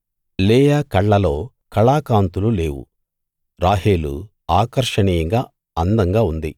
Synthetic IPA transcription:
leːjaːkɐɭːɐlo̞ː | kɐɭaːkaːnt̪ulule̞ːwṵ | ɾaːɦeːlṵ | aːkɐɾʂɐniːjɐŋɡaː | ɐnd̪ɐŋɡaːund̪ḭ

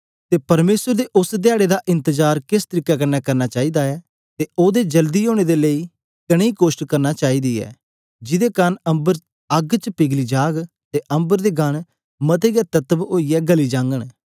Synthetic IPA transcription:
t̪eːpɐɾmeːsəɾd̪eːʔʊsd̪jaːɽed̪aʔɪ̃nt̪əd͡ʒaːɾkɪst̪əɾiːkakɐɾnaːkɐɾnat͡ʃaːiːd̪aːɛː | t̪eoːd̪eːd͡ʒəld̪iɦoːɽ̃ed̪eleiː | kɐɽ̃eiːkoːsʈkɐɾnaːt͡ʃaːiːd̪iːɛ̰ː | d͡ʒɪd̪eːkɐnɐ̃mbəɾ | ɐɡt͡ʃəpɪɡliːd͡ʒaːɡ | t̪eʔɐ̃mbəɾd̪eːɡəɽ̃ | mɐt̪eɡɛt̪ɐt̪əboːijɛːɡəliːd͡ʒãːŋɡəɽ̃

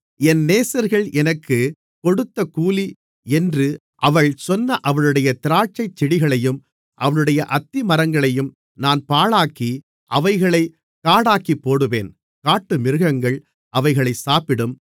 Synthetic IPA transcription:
ɛnneːsɐɾɣɐɭʔɛnɐkːɯ | kɔɽɯt̪ːɐkuːli | ɛndrɯ | ʔɐʋɐɭsɔnːɐʔɐʋɐɭɯɽɐjɐt̪ɪɾaːʈ̚t͡ʃɐɪt͡ʃːɪɽɪɣɐɭɐjɯm | ʔɐʋɐɭɯɽɐjɐʔɐt̪ːimɐɾɐŋɡɐɭɐjɯm | naːnpaːɭaːkːi | ʔɐʋɐɪɣɐɭɐɪ | kːaːɽaːkipːoːɽɯʋeːn | kaːʈːɯmɪɾɯɣɐŋɡɐɭ | ʔɐʋɐɪɣɐɭɐɪsaːpɪɽɯm

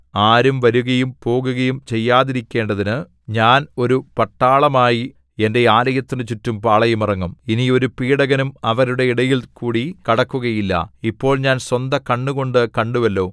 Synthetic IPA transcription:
aːɾumʋɐɾuɣɐjumpo̞ːɣuɣɐjumt͡ɕe̞jːaːðiɾikʲːe̞ːɳɖɐðinɨ | ɲaːno̞ɾupɐʈːaːɭɐmaːji | e̞nde̞aːlɐjɐt̪ːinɨt͡ɕutːumpaːɭɐjumirɐŋːɐminio̞ɾupiːɽɐɣɐnumɐʋɐɾuɽe̞iɽɐjilkuːɽikɐɽɐkːuɣɐjilːɐ̰ipːo̞ːɭɲaːnswɐnd̪ɐkɐɳːuɣo̞ɳɖɨkɐɳɖuʋɐlːo̞ː

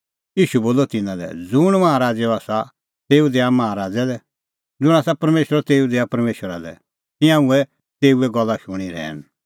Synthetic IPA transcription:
iːʃuboːlɔt̪ɪnãlɛ̰d͡zʊɽ̃mɐ̃ãɾaːd͡zɛɔaːsa | t̪eːud̪ɛːamɐaɦãɾaːd͡zɛlɛ | d͡zʊɽ̃aːsapɐɾmeːʃɾɔt̪eːud̪ɛːapɐɾmeːʃwəɾalɛ̰ | t̪ɪ̃jãuɛ | t̪eːuɛɡɔlːaʃʊɽ̃iɾɛ̰ːñ

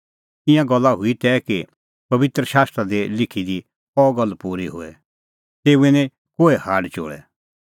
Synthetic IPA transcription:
ɪ̃jãɡɐlːaɦʊit̪ɛːki | pɐbɪt̪ɾəʃaːst̪ɾad̪elɪkʰid̪i | ɔːɡɐlːpuːɾiɦʊ̰ːɛ̰ | t̪eːuenĩ | koːɛhaːɖt͡ʃo̰ːɽɛ̰

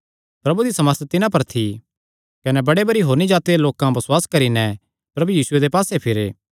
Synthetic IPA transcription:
pɾɐbud̪isɐməɾt̪t̪ɪnãp̬ɐɾt̪ʰi | kɐnɛbɐɽebɐɽiɦoːɾnid͡ʒaːt̪ieloːkãbɐswaːskɐɾinɛ | pɾɐbujiːsʊed̪epaːsepʰɪɾeː

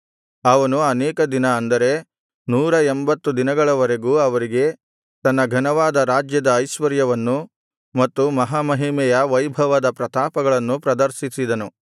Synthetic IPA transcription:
ɐʋɐnuɐnɛːkɐd̪inɐːnd̪ɐɾe̞ | nuːɾɐembɐt̪ːud̪inɐɡɐɭɐʋɐɾe̞ɡuːɐʋɐɾiɡe̞ | t̪ɐnːɐɡʱɐnɐʋaːd̪ɐɾaːd͡ʒjɐd̪ɐːjʃʋɐɾjɐʋɐnːu | mɐt̪ːumɐɦaːmɐɦimɛjɐʋɐjbʱɐʋɐd̪ɐpɾɐt̪aːpɐɡɐɭɐnːupɾɐd̪ɐɾʃisid̪ɐnu

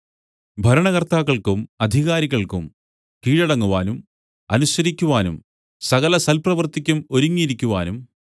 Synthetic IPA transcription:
bʱɐɾɐɳɐɣɐrt̪aːkːɐɭkumɐd̪ʱiɣaːɾiɣɐɭkṵm | kiːɻɐɽɐŋːuʋaːnum | ɐnuɕɐɾikʲːuʋaːnum | sɐɣɐlɐsɐlprɐʋɐrt̪ikʲːumo̞ɾuŋːiɾikʲːuʋaːnum

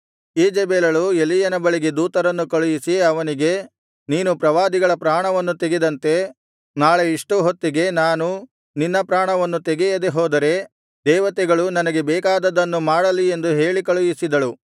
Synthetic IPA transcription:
iːd͡ʒɛbɛːlɐɭuelːijɐnɐbɐɭiɡed̪uːt̪ɐɾɐnːukɐɭujisiɐʋɐniɡe̞ | niːnupɾɐʋaːd̪iɡɐɭɐpɾaːɳɐʋɐnːut̪eɡid̪ɐnt̪e̞ | naːɭe̞iʂʈuɦot̪ːiɡe̞naːnu | ninːɐpɾaːɳɐʋɐnːut̪eɡɛjɐd̪eɦoːd̪ɐɾe̞ | d̪ɛːʋɐt̪ɛɡɐɭunɐnɐɡe̞bɛːkaːd̪ɐd̪ɐnːumaːɽɐlːie̞nd̪uɦe̞ːɭikɐɭujisid̪ɐɭu

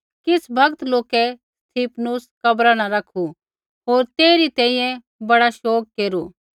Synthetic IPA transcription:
kɪsʰbʱɐɡt̪loːkɛ | st̪ʰiːpʰnuskɐbɾanaɾɐkʰu | ɦoːɾt̪eːɾit̪ɛ̃ːĩjɛ̃ | bɐɽaʃoːk̚keːɾu

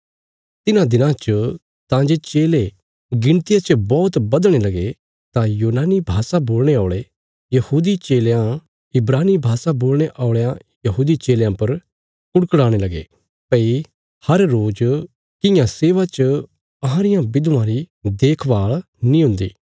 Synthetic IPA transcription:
t̪ɪnãd̪ɪnãt͡ʃə | t̪ãd͡ʒet͡ʃeːle | ɡɪ̃ɽt̪ɪjat͡ʃəbɔːt̪bɐd̪ɽ̃elɐɡe | t̪ãjuːnaːnibʱaːsaboːlɽ̃eaːɭe | jɐhuːd̪it͡ʃeːljã | ɪbɾaːnibʱaːsaboːlɽ̃eʔaːʊɭjã | jɐɦuːd̪it͡ʃeːljãpɐɾ | kʊɽkɽaːɽ̃elɐɡḛ | pɐi | hɐɾːoːd͡ʒ | kɪ̃jãseːʋat͡ʃə | ɐɦãɾɪjãbɪd̪ãɾid̪eːkʰʋaːɭ | nĩɦʊ̃nd̪ḭː

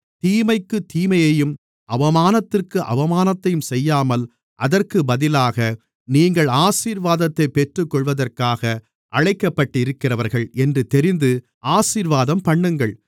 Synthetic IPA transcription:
t̪iːmɐɪkːɯt̪iːmɐjɐjɯm | ʔɐʋɐmaːnɐt̪ːɪrkɯʔɐ̰ʋɐmaːnɐt̪ːɐjɯmsɛjːaːmɐl | ʔɐðɐrkɯbɐðɪlaːɣɐ | niːŋɡɐɭaːsiːɾʋaːðɐt̪ːɐɪpːɛʈrɯkːɔɭʋɐðɐrkaːɣɐ | ʔɐɻɐɪkːɐpːɐʈːɪɾɯkːɪrɐʋɐɾɣɐɭɛndrɯt̪ɛɾɪnd̪ɯ | ʔaːsiːɾʋaːðɐmpɐɳːɯŋɡɐɭ

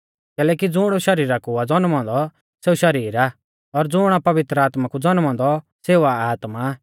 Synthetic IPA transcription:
kɛːlɛːkid͡zʊɽ̃ɔʃɐɾiːɾakuad͡zɔnmɔ̃nd̪ɔ | seːuʃɐɾiːɾa | ɔɾd͡zʊːɽ̃apɐʋɪt̪ɾəaːt̪makud͡zɔnɔ̃ːnd̪ɔ | seːuaaːt̪ma

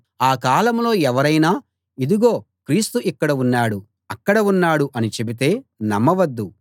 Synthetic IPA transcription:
aːkaːlɐmlo̞ːɛʋɐɾɐjnaː | id̪uɡo̞ː | kɾiːst̪uʔikːɐɽɐunːaːɽu | ɐkːɐɽɐunːaːɽuʔɐnit͡ʃe̞bit̪e̞ːnɐmːɐʋɐd̪ːu

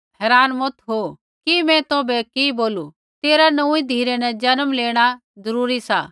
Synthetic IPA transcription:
hɛːɾaːnmʊt̪ʰɦo | kimɛ̃t̪oːbɛkiboːlu | t̪eːɾanɐuid̪ʱiːɾenɛ̃d͡ʒɐnəmleːɽ̃a | zɐɾuːɾisaː

